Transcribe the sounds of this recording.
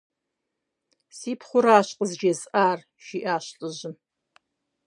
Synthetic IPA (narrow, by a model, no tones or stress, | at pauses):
siːpʰχʷʊɾaːɕqʼəzd͡ʒezʼaːr | ʃiːʔaːɕɬʼɨʑɪm